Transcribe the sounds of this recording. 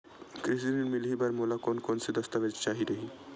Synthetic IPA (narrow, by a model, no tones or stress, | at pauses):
kɾɪs̬inemɪlibɐɾmoːlakoːnkoːnsed̪ɐst̪aʋəd͡ʒt͡ʃaːɦiɾɐɦiː